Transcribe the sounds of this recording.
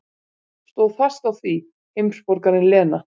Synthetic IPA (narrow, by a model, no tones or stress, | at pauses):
st̪oːwðfḁst̪awθvi | hejmspɔɾkaɾɪnlɛːna